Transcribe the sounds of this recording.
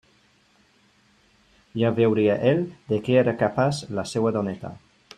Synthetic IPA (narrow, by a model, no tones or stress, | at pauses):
jaβewɾiaʔeld̪ekeeɾakapaslasewad̪onet̪a̰